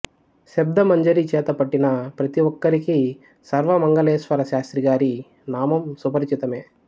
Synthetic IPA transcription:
ʃɛb̚d̪ɐmɐɲd͡ʒɐɾit͡ʃɛːt̪ɐpɐʈːinɐpɾɐt̪iʋɔkːɐɾiki | sɐɾʋɐmɐŋɡɐleːʃʋɐɾɐʃaːst̪ɾiɡaːɾi | naːmɐmsupɐɾt͡ʃit̪ɐmeː

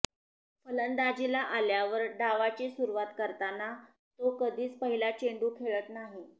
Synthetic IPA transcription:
fələnd̪ad͡ʑilaʔaljaʋəɾɖaʋat͡ɕiːsuɾuʋat̪kəɾt̪ana | t̪okəd̪ʱiːt͡spəɦilat͡ɕeɳɖuːkʰeɭət̪naɦi

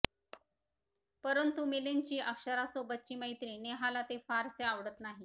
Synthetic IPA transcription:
pəɾənt̪umeleɲt͡ɕiːʔəkʂəɾasobət̪̚t͡ɕiːməjt̪ɾineɦalat̪efaɾseaʋɽət̪naɦi

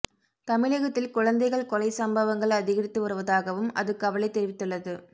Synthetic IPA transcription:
t̪ɐmɪɭɐɣɐt̪ːɪlkʊɻɐnd̪ɐɪɣɐɭkɔlɐɪsɐmbɐʋɐŋɡɐɭɐðɪɣɐɾɪt̪ːɯʋɐrɯʋɐðaːɣɐʋɯmɐ̰ðɯkːɐʋɐɭɪt̪ːɛɾɪʋɪt̪ːɯɭːɐðɯ

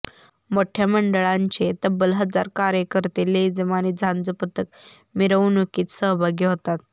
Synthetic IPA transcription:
moʈʰjaməɳɖəɭaɲt͡ɕet̪əbːəlɦəd͡za̰ɾkaɾjəkəɾt̪iled͡zəmaniːd͡zʱãnd͡zəpət̪ək̚ | miɾəʋunukiːt̪səɦbʱaɡeɦot̪at̪̚

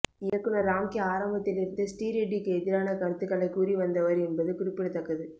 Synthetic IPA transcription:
ɪjɐkːɯnɐɾːaːmkiaːɾɐmbɐt̪ːɪlɪɾɯnd̪ɯsʈiːɾeɖːɪkːɯɛðɪɾaːnɐkɐɾɯt̪ːɯkːɐɭɐɪkuːɾiʋɐnd̪ɐʋɐɾɛnbɐðɯkʊɾɪpːɪɽɐt̪ɐkːɐðɯ

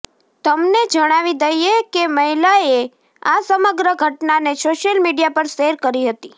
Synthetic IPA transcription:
t̪əmned͡ʒəɽ̃aʋid̪əjekeməɦilae | asəməɡɾəɡʱəʈnanesoʃjəlmiɖijapəɾʃeɾkəɾiɦət̪i

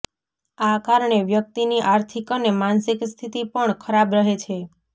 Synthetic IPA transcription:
akaɾɳeʋjək̚t̪iniʔaɾt̪ʰikonemansikst̪ʰit̪ipəɳkʰəɾabɾəɦet͡ʃʰe

